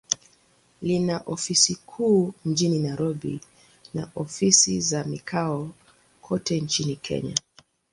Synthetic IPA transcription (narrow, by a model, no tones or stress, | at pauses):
linaʔɔfisikʰuːm̩d͡ʒininajɾɔɓḭ | na̰ʔɔfisizamikʰaɔ | kʰɔtɛnt͡ʃinikʰɛ̰ɲa̰